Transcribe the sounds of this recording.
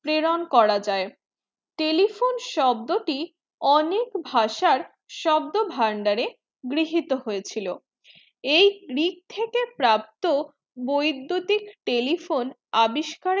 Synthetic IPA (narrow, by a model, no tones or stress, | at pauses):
pɾeɾonkɔɾad͡ʑae | ʈelifonʃɔbd̪oʈi | ɔnekbʱaʃaɾ | ʃɔb̚d̪obʱaɳɖaɾe | ɡɾiɦit̪oɦoet͡ɕʰilo | ejɡɾik̚t̪ʰekepɾap̚t̪o | bojd̪ːut̪ikʈelifon | abiʃkaɾ